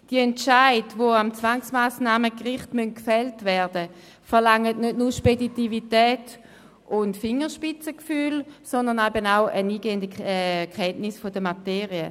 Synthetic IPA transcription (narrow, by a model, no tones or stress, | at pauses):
d̥iɛntt͡ʃaɪdvoamt͡svaŋsmaːsnaːməkʁɪχtmøntkfɛltvɛɐdə | fɛʁlaŋətnødnuːɐʃpeditivitɛːt | ʊntfɪŋːəʃpɪt͡səkfyːlsɔndəʁnaɪbənaʊʔəniːɡeːəndəɛkʰɛntnɪsfodəmateːʁiə